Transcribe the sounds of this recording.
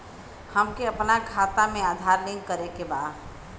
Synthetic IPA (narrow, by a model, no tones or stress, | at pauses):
həmkeəpnakʰat̪amead̪ʱaɾlĩŋɡkəɾekeba